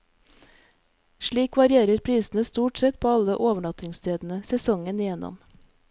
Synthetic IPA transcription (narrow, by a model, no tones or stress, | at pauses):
ʃɭiːkʋɑɾɪeːɾəɾpʰɾiːsn̩əst̪uːʈsɛt̪̚pʰoːɑləʔoːʋəɳɑt̪ɪŋst̪ʰeːd̪n̩əsɛsɔŋənɪjɛnɔ̰m